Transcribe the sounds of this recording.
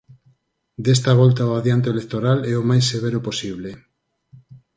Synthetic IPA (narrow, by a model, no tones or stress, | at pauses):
d̪est̪aβ̞ɔlt̪aoaðjant̪̬eelekt̪oɾalɛomajseβ̞eɾʊposiβle